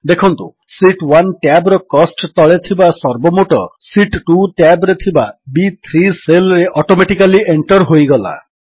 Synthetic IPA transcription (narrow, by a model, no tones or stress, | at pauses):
d̪ekʰɔnt̪ṵ | siʈwanʈjabɾɔkɔsʈt̪ɔɭet̪ʰibasɔɾbɔmoʈɔ̰siʈʈuʈjabɾet̪ʰibabit̪ʰɾiselɾeʔɔʈomeʈikaliʔeɳʈɔɾɦojɡɔla̰